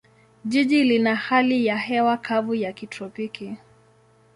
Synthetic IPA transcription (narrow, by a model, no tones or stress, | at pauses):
ʄiʄilinahalijahɛwakʰavujakitɾɔpiki